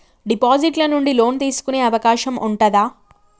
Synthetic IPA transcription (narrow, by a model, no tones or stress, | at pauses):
ɖipaːd͡ʒiʈlɐnuɳɖilo̞ːnt̪iːsu̥kune̞ːɐʋɐkaːʃɐmʔuɳʈɐd̪aː